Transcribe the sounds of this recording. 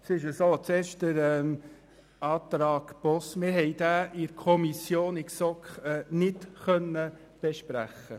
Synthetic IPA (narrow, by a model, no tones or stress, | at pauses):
sɪʃəsoːt͡seːɾʃd̥əɾɛːm | ɑːt̪ɾɑːɡ̥pɔsmɪɾɦɛɪd̥̪æːʔɪɾkʰɔmisjoːnɪksɔkχɛːnɪtχœnːə | b̥ɛʃpɾæχːə